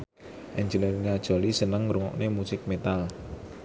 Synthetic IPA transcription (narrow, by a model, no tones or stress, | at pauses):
ʔɛɲd͡ʒələɾinad̥ʒ̥ɔ̤lisənəŋɾuŋɔ̰knemusɪk̚met̪al